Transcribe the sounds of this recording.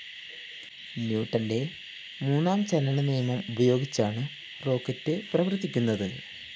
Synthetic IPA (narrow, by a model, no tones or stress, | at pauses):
njuːʈːɐnde̞ | muːnːaːmt͡ɕɐlɐɳɐniːmɐmubɐjo̞ːɡit͡ɕːaːɳɨ | ro̞ːkːɐtːɨprɐʋɐrt̪ːikʲːunːɐðɐl